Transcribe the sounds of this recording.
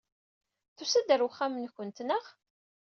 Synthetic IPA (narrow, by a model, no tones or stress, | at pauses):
θusæd̪əɾwχːamnçənt̪nəʁ